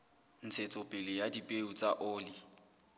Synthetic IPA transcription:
n̩t͡sʰet͡sʼɔpʼɪlɪjadipʼeut͡sʼaʔʊːli

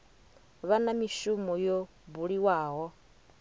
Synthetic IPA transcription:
βanamiʃumɔjo | buɺiwaːɦɔ

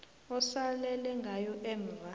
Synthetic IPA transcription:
ɔsalɛlɛŋɡʱajɔʔɛmra

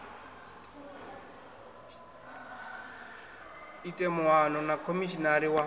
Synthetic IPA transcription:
itʼemʊwanɔnakʰomiʃinaɾiwa

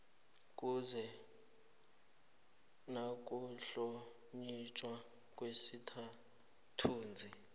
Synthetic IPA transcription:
kʼuzɛ | nakʼuɬɔ | ɲit͡ʃʼwa | kʼwesitʰa | tʰuːnd͡zʱi

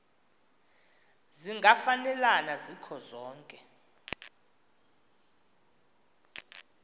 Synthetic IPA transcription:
ziŋɡʱafanɛlanazikʰɔzɔːŋkʼɛ

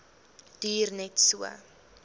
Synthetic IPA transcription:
d̥yːrnɛtsuə̰

